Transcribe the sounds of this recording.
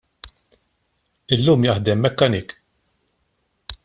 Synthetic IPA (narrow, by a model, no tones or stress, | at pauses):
ɪlːuːmjɐħd̪ɛmːɛkːɐnɪːk